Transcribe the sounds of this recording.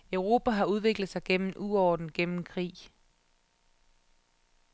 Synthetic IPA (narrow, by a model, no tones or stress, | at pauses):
œʊʁo̝ːbʰæɦɑ̈uð̞ˠʋe̝ɡ̥ləð̩ˠsɑ̈ɪɡ̥en̰m̩ʔuɒːd̥n̩ɡ̥en̰m̩kʰʁḭː